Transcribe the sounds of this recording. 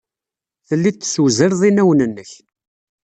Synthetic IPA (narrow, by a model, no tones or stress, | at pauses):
θəlːit̪ːswzəɾðˤinæwənənːəç